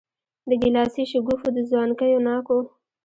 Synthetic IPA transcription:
d̪əɡɪlɑsiʃʊɡufud̪əzwɑnkəjonɑko

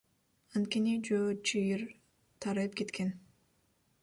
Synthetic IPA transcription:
ɑnt̪̚kenid͡ʒøːt͡ʃɯjiɾ | t̪ʰɑɾɯp̚ke̞t̪kʰen

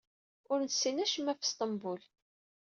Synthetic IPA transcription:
ʊɾnsːinæʃəmːæfst̪ˤɑmbul

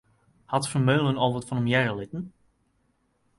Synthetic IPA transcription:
hɑtfəɹmøːlˠənolˠvətfɑnɔmjɛrəlɪtən

